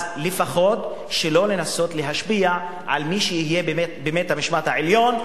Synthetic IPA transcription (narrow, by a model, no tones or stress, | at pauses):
lefaχo̞t̪ | ʃelo̞le̞naso̞t̪leɦaʃbia | ʕa̰lmiʃejihijebemetbemet̪hamiʃmat̪haʕeljo̞n